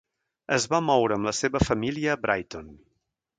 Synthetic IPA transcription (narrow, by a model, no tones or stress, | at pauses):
əzβamɔwɾəːmləseβəfəmiliəbɾʔajt̪on